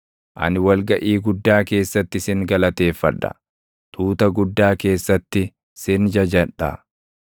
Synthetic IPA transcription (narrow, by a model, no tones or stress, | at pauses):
ʔɐ̰nɪwɐlɡɐʔiːɡʊd̪ːaːke̞ːsːɐt̪ːɪsɪŋɡɐlɐt̪e̞ːfːɐᶑɐ̰ | t̪uːt̪ɐɡʊd̪ːaːke̞ːsːɐt̪ːɪ | sɪnd͡ʒɐd͡ʒɐᶑɐ̰